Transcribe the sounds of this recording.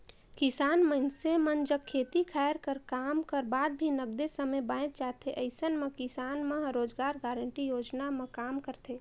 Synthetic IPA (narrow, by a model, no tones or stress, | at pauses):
kɪsaːnmənsemənd͡ʒəkʰːeːt̪ikʰɛːɾkəɾkaːmkəɾbaːd̪̚bʱinəɡ̚d̪esəməjbãːɪ̃t̪̚t͡ʃaːɦt̪ʰeʔəɪsənmẽkɪsaːnmẽɾoːd͡ʒɡaːɾɡaːɾəɳʈijoːd͡ʒnamẽkaːmkəɾt̪ʰeː